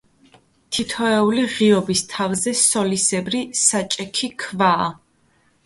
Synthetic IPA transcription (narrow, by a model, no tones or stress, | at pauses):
t̪ʰit̪ʰɔɛuliʁiɔbist̪ʰavzɛsɔlisɛbɾisat͡ʃʼɛkʰikʰvaː